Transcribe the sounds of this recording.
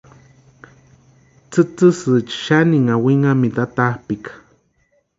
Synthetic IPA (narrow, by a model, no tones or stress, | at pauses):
t͡sɨt͡sɨsɨt͡ʃʃaniŋawiŋamid̪at̪ahpikḁ